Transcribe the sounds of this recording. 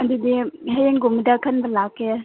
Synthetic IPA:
ɐdidiɦɐjeŋɡumdɐkʰɐnbɐlakːe

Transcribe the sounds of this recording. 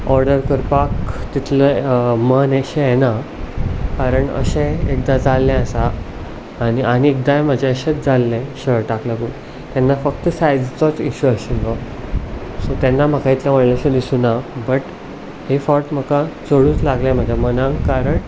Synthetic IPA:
ɔɾɖəɾkəɾpakt̪it̪ʰləməneɕẽjena | kaɾəɳə̰ɕɛ̃ek̚d̪ad͡zalːɛ̃əsaː | ñianiek̚d̪ajm̤əd͡ʑeəɕet͡sd͡zalːɛ̃ɕəɭʈaklaɡuːn | t̪janːafəkt̪əsajd͡zt͡sɔt͡siɕuəɕinlɔ | sot̪ɛnːam̤əkait̪ʰlaməɽlaɕẽd̪isunabəʈ | hefɔɾʈm̤əkat͡səɽuːt͡slaɡlɛ̃m̤əd̪ʱjamənãŋɡkaɾəɳ

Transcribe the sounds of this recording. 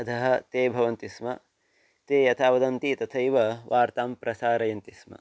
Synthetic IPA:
ɐt̪ʰɐɦɐ̆t̪eːbʱɐʋɐnt̪ismɐ | t̪eːjɐt̪ʰaːʋɐd̪ɐnt̪it̪ɐt̪ʰɐjʋɐʋʔaːɾt̪aːmpɾɐsaːɾɐjɐnt̪ismɐ̰

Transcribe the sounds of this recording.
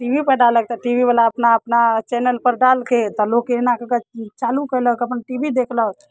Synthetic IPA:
ʈibipəɾɖalək̚t̪ɔʈibibəlaəpnaəpnat͡ʃɛnəlpəɾɖalket̪ɔlokenakəkat͡ʃalukələkəpnʈibid̪ekʰlək

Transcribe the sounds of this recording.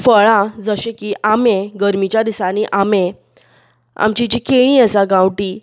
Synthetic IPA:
fəɭãd͡zəɕekiʔamẽɡəɾmit͡ɕjad̪isaniʔamẽ | a̰mt͡ɕid͡ʑikeɽ̃ĩəsaɡãwʈi

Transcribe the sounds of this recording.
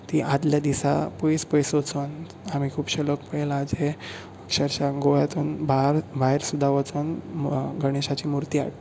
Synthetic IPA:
t̪iʔad̪ljad̪isa̰pɔjspəjsot͡son | am̤ikʰuːpɕəlokpəɭelad͡ʑe | əkʂəɾt͡ɕaɡojat̪uːnbaɾbʱaɦeɾsud̪ʱːaʋət͡sonɡəɽ̃eɕat͡ɕiːmuɾt̪iːa̰ʈ

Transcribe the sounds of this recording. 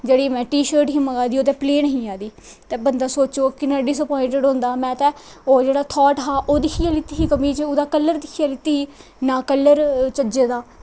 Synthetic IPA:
d͡ʒeːɽiːmɛ̃ːʈiːʃəɾʈɦĩːməɡaːd̪iːoːt̪ɛ̃ːpleːnəɦĩːaːd̪iː | t̪eːbənd̪aːsoːt͡ʃoːkɪnãːɖɪsəpɔːɪ̃ɳʈəɖɦõːnd̪aːmɛ̃ːt̪ɛ̃ːoːd͡ʒeːɽaːt̪ʰɔːʈɦaːʔoːd̪ɪkʰɪjaːlɪt̪iːɦiːkəmĩːt͡ʃʊd̪aːkəlːəɾd̪ɪkʰɪjaːlɪt̪ːiːɦiː | nãːkəlːəɾt͡ʃəd͡ʒeːd̪aː

